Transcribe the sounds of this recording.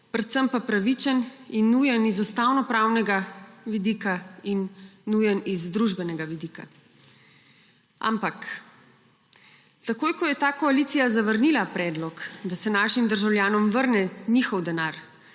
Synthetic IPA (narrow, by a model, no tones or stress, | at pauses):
pɾɛt̪səmpapɾaʋit͡ʃɛninːujɛnizust̪awnɔpɾaːwnɛɡaʋid̪iːkainːujɛnizd̪ɾuʒbɛnɛɡaʋid̪ika̰ | ʔa̰mpak | t̪akoːjkɔjɛt̪aːkɔaliːt̪sijazaʋəɾnilapɾɛːd̪lɔkd̪asɛnaːʃimd̪əɾʒawljaːnɔmʋəɾnɛnixɔwd̪ɛnaːɾ